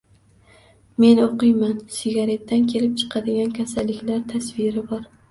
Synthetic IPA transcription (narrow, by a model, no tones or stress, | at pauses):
me̞noqɨjmansɪɡʲaɾe̞t̪ːankʲʰe̞lɪp̚t͡ʃʰɨ̥qʰɑd̪ɪɡʲankʲʰasalːɪkʲlaɾt̪ʰasvɪɾɪbɒɾ